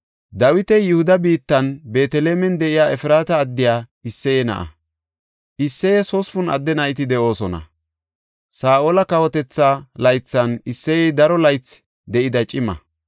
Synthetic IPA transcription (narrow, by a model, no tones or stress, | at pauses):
d̪ɐwɪt̪ɛjʊhʊd̪ɐbiːt̪ːɐnbe̞ːt̪ɛleːmɛnd̪ɛʔɪjaːɛfɪɾaːt̪ɐːd̪ːɪjaːɪsːɛjɛnɐ̰ʔɐ̰ | ʔɪsːɛjɛsɔsfʊnɐ̰d̪ːɛnɐɪt̪ɪd̪ɛʔo̞ːsɔnɐ̰ | saːʔoːlɐkɐwɔt̪ɛt͡sːaːlɐjt͡sːɐnɪsːɛjɛd̪ɐɾɔlɐjt͡s | d̪ɛʔɪd̪ɐt͡ʃʼɪmɐ̰